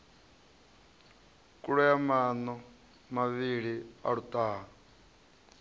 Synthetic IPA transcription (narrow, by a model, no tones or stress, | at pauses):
kʼuɺujamanɔ | maβiɺia̰ɺut̪ʼaːɦa